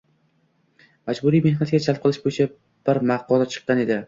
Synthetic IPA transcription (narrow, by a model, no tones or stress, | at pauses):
mad͡ʒbʊɾijme̞hnat̪̚ɡʲat͡ʃʰalˠp̚qʰɨlˠɪʃbojɪt͡ʃʰa | b̥ɪɾmaqɒlat͡ʃʰɨ̥qːɑne̞d̪ɪ